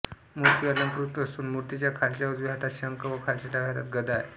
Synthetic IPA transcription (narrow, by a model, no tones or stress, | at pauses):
muɾt̪iələŋkɾut̪ːəsuːnmuɾt̪it͡ɕjakʰaɾɕaud͡zʋɦat̪aɕəŋkəʋəkʰaɾɕaʈaɡʱat̪a̰t̪ɡəd̪aj